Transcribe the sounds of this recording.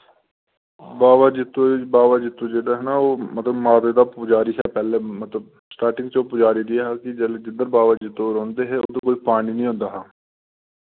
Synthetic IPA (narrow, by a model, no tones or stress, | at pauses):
baːʋaːd͡ʒɪt̪ʰːõːbaːʋaːd͡ʒɪt̪ʰːõːd͡ʒeːɽaːɦənaːoːmət̪ləbmaːd̪eːd̪aːpʊd͡ʒaːɾiːɦɛːpɛːleːmət̪ləb̚ | sʈaːɾʈɪ̃ŋɡt͡ʃoːpʊd͡ʒaːɾiːd̪ɪaːɦaːkɪd͡ʒeld͡ʒɪd̪əɾbaːʋaːd͡ʒɪt̪ʰːõːɾɔ̃ːnd̪eːɦɛːo̰ːt̪õːkoːiːpaːɽ̃iːnĩːɦõːnd̪aːɦaː